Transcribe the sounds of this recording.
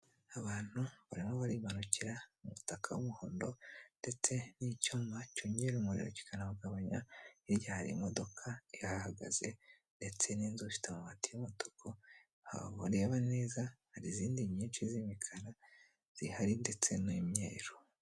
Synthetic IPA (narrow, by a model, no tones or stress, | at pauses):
aβaːn̥huβaɾimo̞βaɾiːβanuciɾaumutakʰa̰wumuho̰ːndo̞nde̞t͡se̞nicuːmbacoːɲɟeɾumuɾḭɾo̰ci̥kʰanaβaɡaβaɲaiɾɟahaɾḭmodo̞kʰaihaahaɡa̰ze̞ | nde̞t͡se̞niːnzuʃi̥tamuβaːtijumoto̥kʰo | ha̰ββaɾe̞ːβane̞ːzahaɾiziːndiɲɲiːnʃizimikʰaɾa | z̥ihaɾinde̞t͡se̞nimɲḛːɾo